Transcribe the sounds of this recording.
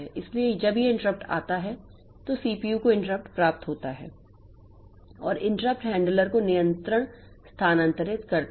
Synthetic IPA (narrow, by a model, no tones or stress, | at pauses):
ɛʔɪslied͡ʒɐbijeɪ̃ɳʈəɾəp̚ʈa̰ːt̪aɦɛ | t̪osiːpiːjukoɪ̃ɳʈəɾəp̚ʈpɾaːp̚t̪ɦoːt̪aɦɛ̰ː | ɔːɾɪ̃ɳʈɾəp̚ʈɦɛ̃ːɳɖələɾkonɪjə̃nt̪ɾəɽ̃ | st̪ʰaːnɐ̃nt̪əɾɪt̪kɐɾt̪